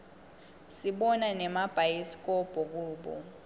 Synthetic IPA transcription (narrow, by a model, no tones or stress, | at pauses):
siɓɔnanɛmab̥ʱajisk̬ʼɔb̥ʱɔk̬uːɓɔ̰